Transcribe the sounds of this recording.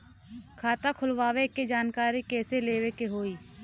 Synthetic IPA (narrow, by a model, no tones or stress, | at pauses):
kʰaːt̪akʰʊlʋaːʋeked͡ʒaːnkaːɾikɛːseleːʋekeɦoːiː